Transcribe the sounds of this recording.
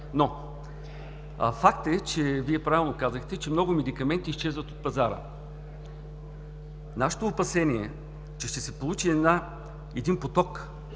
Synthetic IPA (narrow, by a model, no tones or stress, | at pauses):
no | fakt̪ɛt͡ʃɛviɛpɾavilˠnokazəxt̪ɛt͡ʃɛmnɔɡʊmɛd̪ikɐmɛnt̪iːst͡ʃɛzvət̪ot̪̚pɐzaɾə̰ | naʃɛ̥t̪oːpɐsɛniɛ | t͡ʃɛʃt̪ɛsɛpolˠut͡ʃiɛd̪na | ɛd̪inpot̪ɔk